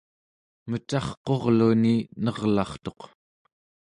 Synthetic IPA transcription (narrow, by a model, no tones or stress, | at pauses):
mət͡ʃɑχqo̞ʁluninʌʁlɑχt̪o̞q